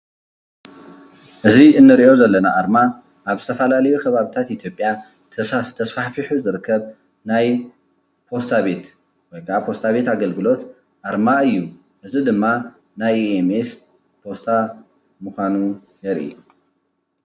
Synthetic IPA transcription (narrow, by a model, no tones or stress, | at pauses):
ʔɨziʔɨnːɨɾiʔo̞zɐlːɐnaʔaɾma | ʔaβzɨt̪ʰɐfɐlalɐjukʰɐβaβit̪ʰat̪ʔit̪ʰjo̞pʼja | t̪ʰɐsfaħfiħuzɨɾɨkʰːɐβ | naj | pʰo̞st̪ʰaβe̞t̪ | wɔjbapʰo̞st̪ʰaβe̞t̪aɡɐlɡɨlo̞t̪ | ʔaɾmaɨjːu | ʔɨzid̪ɨmːa | najemes | pʰo̞st̪ʰa | mɨxʷanu | jɛɾʔḭju